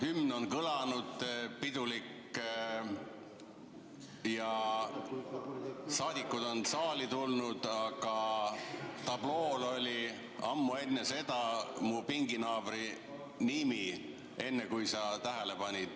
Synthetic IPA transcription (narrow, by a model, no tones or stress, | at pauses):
hymno̞nkɤlɑnud̪̥pid̪ulikːˑ | jɑ | sɑːd̪̥ʲikːˑud̪o̞nsɑːlit̪ulnud̪̥ɑɡ̥ɑ | t̪ɑb̥lo̞ːlo̞lʲi | ɑmːue̞nːese̞d̪̥ɑmupiŋɡinɑːbɾi | nimi | e̞nːekujsɑt̪æɦele̞pɑnʲid̪̥